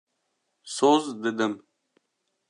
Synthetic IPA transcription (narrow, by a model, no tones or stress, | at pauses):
sozd̪əd̪əm